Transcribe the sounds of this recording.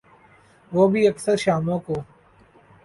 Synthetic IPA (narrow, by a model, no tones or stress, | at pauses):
ʋoːbʱiːɐksəɾʃaːmõːkoː